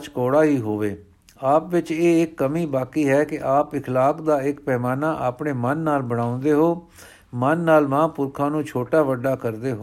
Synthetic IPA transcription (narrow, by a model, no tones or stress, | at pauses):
t͡ʃkɔːɽaːɦiːɦoːʋeː | aːpʋɪt͡ʃeːɪkːəmiːbaːkiːɦɛːkɪʔaːpɪkʰlaːkʰd̪aːɪkpɛːmaːnaːʔaːpɳeːmənːaːlbəɽ̃ãːʊ̃nd̪eːɦoː | mənːaːlʋãːpʊɾkʰãːnũːt͡ʃʰoːʈaːʋəɖːaːkəɾd̪eːɦoː